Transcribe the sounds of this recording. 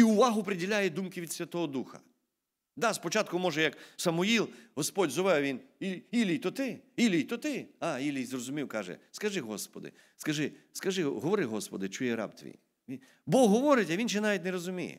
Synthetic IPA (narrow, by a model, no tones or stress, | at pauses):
iʊʋɑɦʊpɾɪdʲilʲajɛd̪umkɪʋʲid̪sʲʋʲɐt̪ɔɦɔd̪uxɐ̥̰ | d̪ɑspɔt͡ʃɑt̪̚kʊmɔʒɛjɐksɐmʊjilˠɦɔspɔdʲzɔʋɛwʋʲiniilʲijt̪ɔt̪ɪilʲijt̪ɔt̪ɪɑilʲijzrɔzʊmʲiwkɑʒɛ̰skɐʒɪɦɔspɔ̰d̪ɪ̰ | skɐʒɪskɐʒɪɦɔʋɔɾɪɦɔspɔd̪ɪt͡ʃujɛɾɑ̰pt̪ʋʲḭj | ʋʲi | bɔɦɔʋɔɾɪtʲɐʋʲinʃ̬ɛnɑʋʲitʲnɛɾɔzʊmʲḭjɛ̰